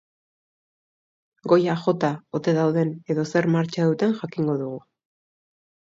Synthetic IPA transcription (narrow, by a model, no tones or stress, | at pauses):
ɡo̞jaʝo̞t̪aot̪e̞ðawðe̞ne̞ðo̞se̞ɾmaɾt͡ʃaðut̪e̞nʝakiŋɡo̞ðuɣu